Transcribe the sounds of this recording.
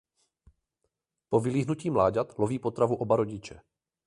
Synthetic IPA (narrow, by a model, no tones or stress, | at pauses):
po̞vɪliːɦnuciːmlaːɟat̪lo̞viːpo̞t̪ɾavuʔo̞baɾo̞ɟɪt͡ʃɛ